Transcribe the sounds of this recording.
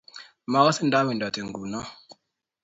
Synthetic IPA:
ma˨˦wa˦si˦nda˦mi˨nda˨ti˨ŋɡu˨na˦

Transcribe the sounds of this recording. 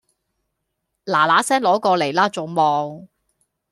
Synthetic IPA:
laː˨˩laː˨˥sɛː˥ŋlɔː˨˥kɔː˧le˨˩jlaː˥t͡so˨wmɔː˨ŋ

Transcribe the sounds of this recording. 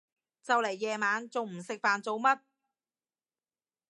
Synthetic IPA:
t͡sɐ˨wle˨˩jːɛː˨˧maː˨˧nt͡so˨wm̩˨˩sɪ˨k̚faː˨nt͡so˨˧wmɐ˥t̚

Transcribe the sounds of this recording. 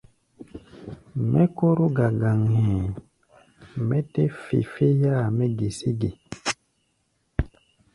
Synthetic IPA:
mʔɛ˦ko˦ɾo˦ɡa˨ɡa˨ŋhɛ̃˨ | mɛ˦te˦fḭ˨fe˦ja˦˨mɛ˦ɡe˨si˦ɡe˨

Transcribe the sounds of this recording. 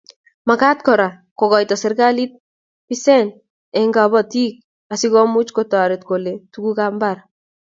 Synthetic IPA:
ma˨ka˦t̚kɔ˨ɾa˨ | ko˨kɔ˨jtɔ˨sɛ˦ɾɡa˦li˦t̚ | pisɛ˦n | ɛ˨ŋɡa˨bɔti˦k̚ | asi˦kɔ˦mu˦t͡ʃkota˨ɾe˨tko˨le˨tukukambaɾ

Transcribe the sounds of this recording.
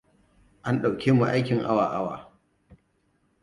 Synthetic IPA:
ʔa˦nɗa˨wkʲeː˦mu˨ʔa˦jkʲɪ˨ŋʔa̰˦waː˨ʔa˦wa̰ː˨

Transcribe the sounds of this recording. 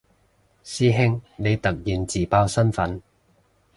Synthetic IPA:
siː˥ɦɪ˥ŋne˨˧jt̪ɐ˨k̚jiː˨˩nt͡siː˨˩paː˧wsɐ˥nfɐ˨˥n

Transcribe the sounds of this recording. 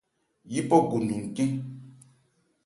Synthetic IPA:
ji˦pɔ˦ɡu˨ndu˨ŋ̩˨kĩ˦

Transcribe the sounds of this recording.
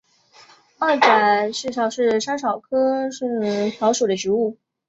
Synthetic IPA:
a˥˩ʈ͡ʂa˨˩ʂɻ̩˥˩ʂɑ˨˩ʊʂɻ̩˥˩ʂa˥nʂɑ˨˩ʊkʰɤ˥ʂ̩˥˩˧t͡ɕʰjɑ˧˥ʊʂo˨˩d̪ə˦t͡ɕy˧˥u˥˩

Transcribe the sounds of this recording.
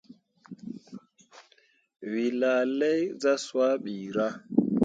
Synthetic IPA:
wi˨la˨lɛ˦jza˦swa˦ɓiː˨ɾa˦

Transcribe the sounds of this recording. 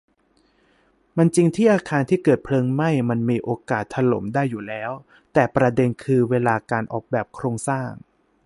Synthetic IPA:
ma˧nt͡ɕi˧ŋt̪ʰiː˥˩ʔaː˧kʰaː˧nt̪ʰiː˥˩kɤː˨˩t̪̚pʰlɤː˧ŋma˥˩jma˧nmiː˧ʔoː˧kaː˨˩t̪ʰːa˧lo̰˩˦mdaː˥˩jːuː˨˩lɛː˦˥w | t̪ɛː˨˩pɾa˧de˧nkʰɯː˧weː˧laː˧kaː˧nʔɔ̰ː˨˩k̚bɛː˨˩p̚kʰɾoː˧ŋsaː˥˩ŋ

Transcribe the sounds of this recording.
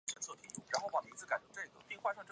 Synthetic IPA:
ɛ˧˥nt͡sʰɤ˥˧˩t̪ʰi˧˥˩ɻa˧˥nxo˥˩ʊpɑ˨˩mi˧˥t͡sʰɹ̩˥˩ka˨˩ɪt͡ɕə˧˥ʈ͡ʂɤ˥˩ɡə˩pi˥˧ŋxwa˥˧ʈ͡ʂʰɑ˥˧ŋʈ͡ʂɤ˥˩

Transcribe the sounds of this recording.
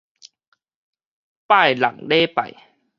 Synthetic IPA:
paː˥˩˨jla̰˨˩˦ŋleː˦˨pa̰˨˩j

